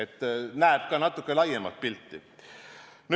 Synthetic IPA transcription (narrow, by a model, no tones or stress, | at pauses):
et̪ːˑnæeb̥̚kɑːnɑt̪ːˑukːˑelɑjemɑ̰t̪̚pilt̪ːi | n